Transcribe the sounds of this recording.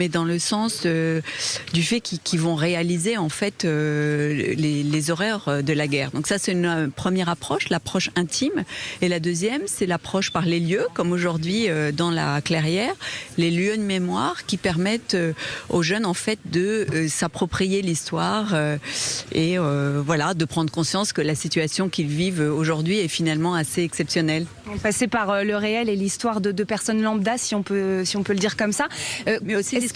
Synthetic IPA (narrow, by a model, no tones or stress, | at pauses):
mɛd̪ɑ̃ləsɑ̃sø | d̪yfɛkʲikʲʰivɔ̃ʁealizeɑ̃fɛt̪ø | lelezɔʁɛʁød̪əlaɡɛʁd̪ɔ̃ksasɛt̪ynpχəmjɛʁapχɔʃlapχɔʃɛ̃t̪ʰimelad̪øzjɛmsɛlapχɔʃpaʁleljøkɔmoʒuʁd̪ɥiød̪ɑ̃la̰klɛʁjɛʁleljød̪memwaʁkʲipɛʁmɛt̪øoʒœnɑ̃fɛt̪̚d̪əsapχɔpχijelist̪waʁø | eøvwalad̪əpχɑ̃d̪ʁəkɔ̃sjɑ̃skəlasit̪yasjɔ̃kʲilvivøoʒuʁd̪ɥiɛfinalmɑ̃aseɛksɛpsjɔnɛl | pasepaʁøləʁeɛlelist̪waʁd̪əd̪əpɛʁsɔnlɑ̃b̚d̪asiɔ̃pøsiɔ̃pøləd̪iʁkɔmsaømɛosi